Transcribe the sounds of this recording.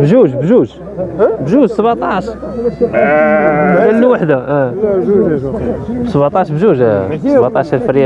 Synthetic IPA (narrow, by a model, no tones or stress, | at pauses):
bʒuʒbʒuʒ | bʒuʒsˤəbat̪ˤɑʃ | ælːuwaħd̪aʔæ | bsəbat̪ˤɑʃbʒuʒsbɑt̪ˤɑʃəɾˤfəɾjæ